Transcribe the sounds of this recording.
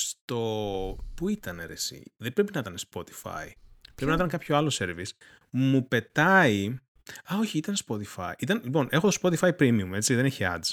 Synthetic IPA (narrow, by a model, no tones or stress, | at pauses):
st̪o̞puit̪ɐneɾesḭðebɾepinɐit̪ɐnespo̞t̪i̥fɐ̰ipɾepinɐit̪ɐnkɐpçoɐlose̞ɾvis | mupe̞t̪ɐi | ɐo̞çiit̪ɐnspo̞t̪ifɐ̰iʔit̪ɐnlipo̞nʔe̞xot̪ospo̞t̪ifɐipɾimiume̞t͡siðe̞neçiɐ̰z